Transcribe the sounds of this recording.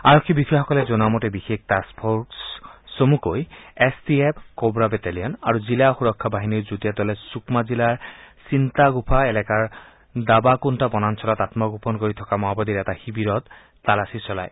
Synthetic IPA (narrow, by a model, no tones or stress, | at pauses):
aɹɔkʰːibikexɔkɔlɛzɔnamɔtɛbixek̚taspʰɔtsomukojɛstiɛpʰkobɹabɛtalijɔnaɹuzilaxuɹɔkʰːabaɦiniɹzutijatɔlɛsukmazilaɹsint̪aɡupʰaɛlɛkaɹ | dabakuntabɔnansʰɔlatatmɔɡupɔnkoɹit̪ʰɔkamɔɦabɔdiɹɛtaxibiɹɔt̪ː | alasisɔla̰j